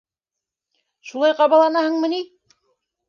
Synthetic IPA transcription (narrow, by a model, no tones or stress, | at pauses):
ʃulˠɑjqɑβɑlˠɑnɑhɤɴmɤ̆ni